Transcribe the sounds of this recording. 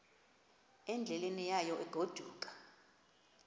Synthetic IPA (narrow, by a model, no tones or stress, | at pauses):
ɛnd͡ɮʱɛlenijajɔʔɛɡ̥ʱod̥ʱuːkʼḁ